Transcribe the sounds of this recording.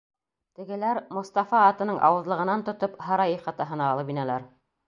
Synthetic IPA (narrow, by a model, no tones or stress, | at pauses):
t̪ɘ̆ɡɘ̆læɾmŏst̪ɑfɑːt̪ɤ̆nɤɴʔɑ̰wɤ̆zlˠɤ̆ʁɤ̆nɑnt̪ŏt̪opɦɑɾɑjiχɑt̪ɑɦɤ̆nɑːlˠɤpinælæɾ